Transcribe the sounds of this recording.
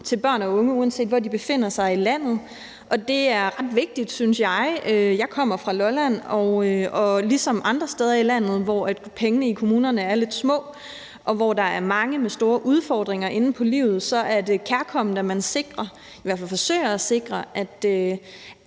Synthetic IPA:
t͡sʰe̝lb̥ɶɐ̰nɒɔ̽ŋəuːænse̝̰ːdʋɒdib̥e̝fe̝n̰ɐsɑ̈ɪilæn̰ð̞̩ˠ | ʔɒ̽d̥e̝æɐʁɑ̈d̥ʋe̝ɡ̥̚d̥id̥synsjɑ̈ɪøjɑ̈ɪkʰɒ̽m̰ɐfʁɑ̈lɒlæn̰ɒʊøɒ̽lisɒ̽mɑ̈nd̥ʁɐsd̥eːð̞ˠɐilæn̰ð̞̩ˠʋɒæd̥pʰeŋənəikʰo̝muːnɐnəæɐle̝d̥smɔ̰̽ː | ʔɒ̽ʋɒd̥ɑ̈æɐmɑ̈ŋəmesd̥o̝ːɐʔuð̞ˠfɒːd̥ʁeŋɐʔe̝nn̩pʰɒ̽lḭːʊð̞̩ˠsɒ̽ʔæɐd̥e̝kʰæɐkʰɒ̽m̰n̩d̥æmænse̝ɡ̥ʁɐ | iʋæɐ̰fælfɒ̽sø̰ɪ̰ɐæse̝ɡ̥ʁɐʔæd̥ø

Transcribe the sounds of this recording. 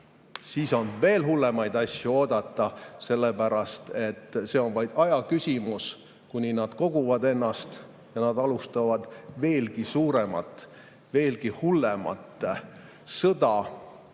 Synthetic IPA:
siːso̞nve̞ːlɦulːe̞mɑjd̪ɑsʲjuo̞ːd̪̥ɑt̪ːˑɑse̞lːepæɾɑst̪e̞t̪ːˑse̞o̞nvɑjd̪̥ɑjɑkysʲimus | kunʲinɑd̪̥ko̞ɡ̥uvɑd̪e̞nːɑst̪ | jɑnɑd̪̥ɑlust̪ɑvɑd̪̥ve̞ːlɡisuːɾemɑ̰t̪ːˑ | ve̞ːlkihulːemɑ̰t̪ːˑ | sɤd̪̥ɑ

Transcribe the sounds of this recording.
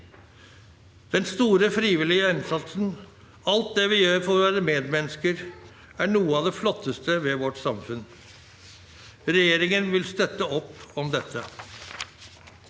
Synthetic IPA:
d̪̥ɛnst̪uːɾəfɾiːʋɪlɪəɛnsɑt̪sn | ɑlt̪̚d̪ɛʋɪjøːɾfɔɾʋæːɾəmeːd̪mɛnəskəɾ | æɳuːəɑʋd̪ɛflɔt̪ʰːəst̪əʋɛʋɔʈsɑmfʉn | ɾɛjeːɾɪŋənʋɪlst̪œt̪ːəɔpːɔmd̪ɛt̪ʰːə

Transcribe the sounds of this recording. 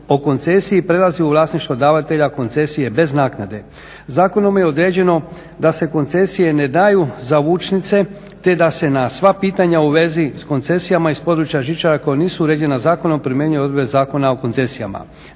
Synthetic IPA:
o̞ko̞nt̪se̞sijipɾe̞laziuʋlˠaːsniʃt̪ʋod̪aːʋat̪e̞ʎako̞nt̪se̞sije̞be̞znaːknad̪e̞ | zaːko̞no̞mjeo̞d̪ɾe̞ːd͡ʑe̞no̞ | d̪ase̞ko̞nt̪se̞sije̞ne̞d̪aːjuzaʋuːt͡ʃnit̪se̞ | t̪e̞d̪ase̞nasʋapiːt̪aɲauʋe̞zisko̞nt̪se̞sijamaispo̞d̪ɾut͡ʃjaʒit͡ʃaɾako̞joniːsuuɾed͡ʒe̞nazaːko̞no̞mpɾimjeɲujod̪ɾbezaːko̞nao̞ko̞nt̪se̞sija̰ma̰

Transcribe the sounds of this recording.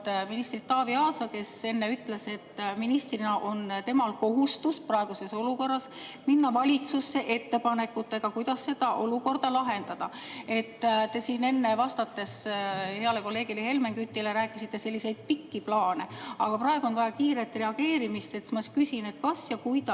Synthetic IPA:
minist̪rit̪ːɑːviɑːsɑke̞se̞nːe̞yt̪ːˑle̞se̞t̪ːminist̪rinɑʔo̞nt̪e̞mɑlko̞ɦust̪usprɑe̞ɡ̥use̞so̞luko̞rːɑsminːɑvɑlʲit̪susːe̞ʔe̞t̪ːe̞pɑne̞kːˑut̪ːˑe̞ɡ̥ɑkujd̪̥ɑsːe̞d̪̥ɑʔo̞luko̞rd̪̥ɑlɑɦe̞nd̪̥ɑd̪̥ɑ | e̞t̪ːt̪e̞siːne̞nːe̞vɑst̪ɑt̪ːe̞she̞ɑle̞ko̞lːe̞ːɡ̥ilehe̞lme̞ŋkyt̪ːˑileɾæːkːˑisit̪ːe̞se̞lʲːise̞jd̪̥̚pikːiplɑːne̞ɑɡ̥ɑprɑe̞ɡ̥uo̞nvɑjɑkiːɾet̪re̞ɑɡ̥e̞ːɾimist̪e̞t̪mɑkysine̞t̪kɑsjɑkujd̪ɑ

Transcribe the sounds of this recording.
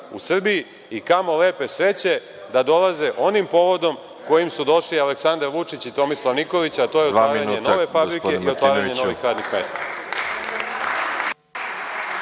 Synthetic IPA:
ṵsr̩biji | ikamo̞le̞ːpe̞sɾe̞t͡ɕe̞ | d̪ad̪o̞laze̞ʔo̞nimpo̞ʋod̪o̞m | ko̞jimsud̪o̞ʂlialeksand̪aɾʋut͡ʂit͡ɕit̪o̞mislˠaʋnikoʋit͡ɕat̪o̞jeot̪ːaːɾaɲenoʋefabɾikeiot̪ʋaːɾaɲe̞no̞ʋixɾaːd̪nixme̞ːst̪a

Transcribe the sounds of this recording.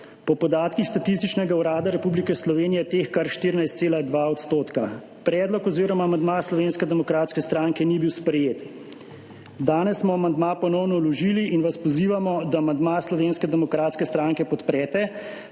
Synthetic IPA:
pɔpɔd̪aːt̪kixst̪at̪is̬t̪it͡ʃnɛɡauɾaːd̪aɾɛpublikɛslɔʋeːnijɛt̪eːxkaɾʃt̪iːɾinajst̪seːlad̪ʋaːɔt̪st̪oːt̪ka | pɾɛːd̪lɔkɔziːɾɔmamand̪maslɔʋeːnskɛd̪ɛmɔkɾaːt̪skɛst̪ɾaːŋkɛnibiwspɾɛjeːt̪ | d̪aːnɛsːmɔamand̪mapɔnɔwnɔwlɔʒiːliʔinʋaspɔziːʋamɔd̪aːmand̪maːslɔʋeːnskɛd̪ɛmɔkɾaːt̪skɛst̪ɾaːŋkɛpɔt̪pɾɛːt̪ɛ

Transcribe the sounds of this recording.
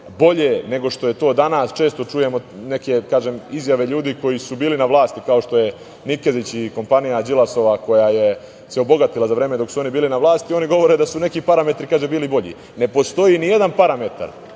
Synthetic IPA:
bo̞ʎene̞ɡo̞ʃt̪o̞je̞t̪o̞ːd̪anaːst͡ʃe̞ːst̪o̞t͡ʂuje̞mo̞ne̞ke̞kaːʒemizjaʋe̞ʎuːd̪iːko̞jisubiːlinaʋlˠaːst̪ikao̞ʃt̪o̞je̞ | nikezit͡ɕiko̞mpanijad͡ʑilˠaso̞ʋako̞jaje | seobo̞ɡat̪ilˠazaʋɾe̞ːmed̪o̞ksuo̞nibiːlinaʋlˠaːst̪io̞niɡo̞ʋo̞ɾed̪asune̞kipaɾame̞t̪ɾikaːʒebiːlibo̞ʎḭ | ne̞po̞st̪o̞jinije̞d̪anpaɾame̞t̪a̰ɾ

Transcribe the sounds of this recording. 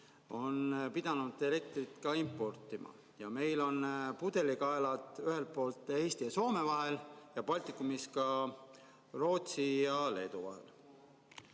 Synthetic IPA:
o̞npid̪̥ɑnud̪̥e̞le̞k̚t̪rit̪kɑimpːˑo̞rt̪ˑːimʔɑ̰ | jɑme̞jlo̞npud̪̥e̞likɑelɑd̪ˑyhe̞lt̪̚po̞ːlt̪ːˑeːst̪iɑso̞ːme̞vɑɦe̞ljɑpɑlʲt̪ikːˑumiskɑ | ro̞ːt̪sijɑle̞ːd̪uvɑ̰he̞̰l

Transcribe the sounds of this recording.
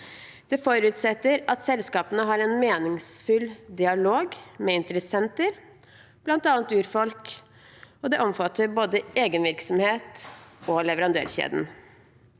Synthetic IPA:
d̪̥ɛfɔɾʉt̪sɛt̪ːəɾɑt̪sɛlskɑːpənəɦɑɾɛnmeːnɪŋsfʉld̪ɪɑloːɡmɛɪnt̪əɾəsɛnt̪əɾ | b̥lɑnt̪ɑːnt̪ʉːɾfɔlk | ɔd̪ɛʔɔmfɑt̪ːəɾboːd̪əʔeːɡənʋɪɾksɔmheːt̪ɔlɛʋəɾɑnd̪ø̰ːɾçḛːd̪n̩

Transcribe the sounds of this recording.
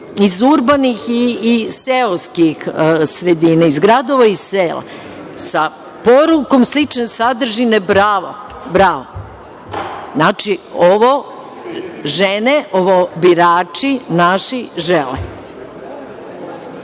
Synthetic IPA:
izuɾbanixiːseoskixsɾed̪inaizɡɾad̪o̞ʋaiseːla̰ | sa | poɾuko̞mslit͡ʃnesad̪r̩ʒinebɾaːʋo̰ | bɾaːʋo | znat͡ʃioʋo | ʒeneʔoʋobiɾaːt͡ʂinaʃiʒɛlḛ

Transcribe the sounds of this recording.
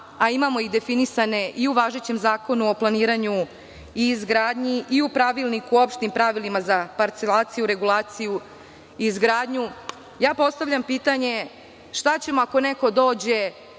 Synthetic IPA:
aimamo̞iɣd̪e̞finisane̞ʔiuʋaːʒe̞t͡ɕe̞mzaːko̞nuo̞plˠaniːɾaɲu | iːzɡɾaːd̪ɲiʔiupɾaʋilˠnikuːo̞pʃt̪impɾaʋilimazapaɾt̪se̞laːt̪sijuɾe̞ɡulˠaːt̪siju | iːzɡɾaːd̪ɲu | jaːpo̞st̪aʋʎʲampiːt̪aɲe̞ | ʃt̪at͡ɕe̞mo̞ako̞neko̞d̪o̞ːd͡ʑe̞

